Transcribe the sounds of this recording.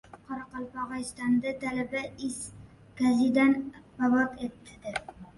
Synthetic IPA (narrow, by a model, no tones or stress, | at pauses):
qʰɒɾɑqɑlˠpɒʁɑjst̪and̪at̪alabaɪs | kazɪd̪anbabɒt̪ʰet̪ʰːɪd̪ɪ